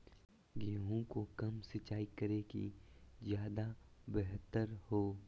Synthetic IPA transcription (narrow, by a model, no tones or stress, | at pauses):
ɡeːɦõkokɐmsɪt͡ʃaːikəɾekḭzjaːd̪abɛɦt̪əɾhoː